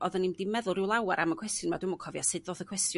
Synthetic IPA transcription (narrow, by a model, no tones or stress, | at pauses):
ɔðanimdimɛðʊlˠɪwlˠawaɾʔaməkʰwɛstjʊnmadʊmɔkʰɔvjasɨdðoːðəkʰwɛstjʊ